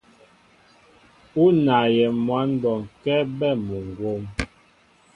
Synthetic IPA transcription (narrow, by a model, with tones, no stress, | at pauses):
u˦na˨jɛ˨mwa˦nbɔ˨ŋ̩˨kɛ˦bɛ˦˨mu˨ŋ˨ɡwo˦m